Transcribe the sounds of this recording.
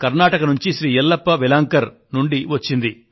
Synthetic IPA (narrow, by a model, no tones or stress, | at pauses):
kɐɾnaːʈɐkɐnuɲt͡ʃiʃɾiːɛlːɐpːɐʋilaːŋkɐɾ | nuɳɖiʋɐt͡ʃːind̪i